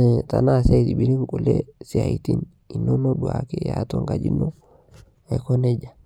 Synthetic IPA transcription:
ta˨na˦˨sa˦i˨ti˨bi˨ɾi˦ŋku˨le˦si˨a˨i˨ti˦n | i˨nːo˦no˦du˨a̰˨ke˦ja˨to˦ŋɡa˨d͡ʒi˦no˦ | a˨ko˦ne˦d͡ʒa˨

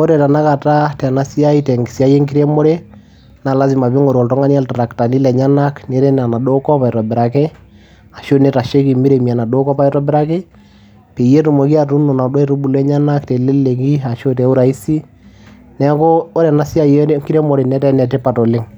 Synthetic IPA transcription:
o˦ɾɛ˨ta˨na˦ka˨ta˦tɛ˨na˦si˦a˦i˦tɛ˨ŋɡi˨si˦a˦je˦ŋki˦ɾe˦mɔ˦ɾe˦ | na˨la˦s̬i˨ma˨pi˦ŋo˨ɾɔ˨ltɔ˦ŋa˦ni˦a˦lta˨ɾa˨kta˨ni˦lɛ˨ɲa˦na˦kne˨ɾe˦na˨na˨do˦kɔ˦pa˨ɛ˨ɾɔ˨bɪ˨ɾa˨ke˦ | a˨ʃo˦ne˦ta˨ʃe˦ki˨mi˦ɾe˨mi˨a˨na˨do˦kɔ˦pa˦i˦tɔ˦bɪ˦ɾa˦ke˦ | pe˨je˦ɾu˨mo˨ki˦a˦˨tu˦no˨na˨dwɔ˦i˦ɾu˦bu˨lɛ˦ɲa˦na˦ktɛ˨le˦le˨ki˦a˨ʃo˦tɛ˨˦u˦ɾa˨i˦si˦ | nɛ˨koː˦ɾɛ˨na˦si˦a˦je˦ŋki˦ɾe˦mɔ˨ɾe˨nɛ˦tɛ˦nɛ˨tɛ˦pa˨tɔ˨lɪ˦ŋ

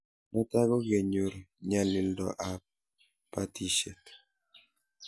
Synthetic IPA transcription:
ma˦ta˦ɡɔ˦ɡe˨ɲo˨ɾɲa˦li˦ndɔ̰˨ʔa˨p̚ | pːa˦ti˦ʃe˨t

